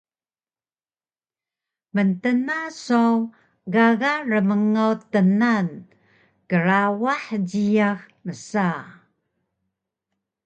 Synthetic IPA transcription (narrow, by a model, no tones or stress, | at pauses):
məntənasow | ɣaɣarəməŋawtənan | kəɾawaħɟiax | məsa